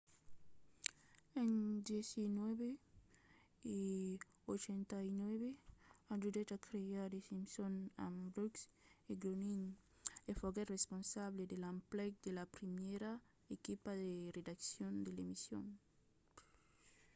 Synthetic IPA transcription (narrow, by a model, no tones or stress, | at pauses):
ẽnd̪jesinweβe | i | ot͡ʃẽnt̪ainweβeadudet̪akɾeadesĩmsõnã̰mbɾukseɡɾonin | efoɣeresponsaβled̪elãmplɛk̚d̪elapɾimeɾa | ekipaðered̪aksjõnd̪elemisjõ̰n